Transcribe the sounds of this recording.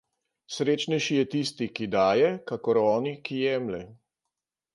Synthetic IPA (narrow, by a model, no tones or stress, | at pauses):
sɾeːt͡ʃnɛjʃijɛt̪ist̪ikid̪aːjɛkakɔɾɔːnikijɛːmlɛ